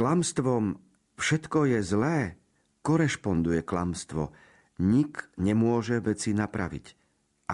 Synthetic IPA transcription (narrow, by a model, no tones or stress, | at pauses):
klamst̪ʋɔm | fʃɛt̪kɔjɛzlɛː | kɔɾɛʃpɔnd̪ujɛkla̰mst̪ʋɔ̰ | ɲikɲɛmʊɔʒɛʋɛt͡sinapɾa̰ʋḭc | ʔa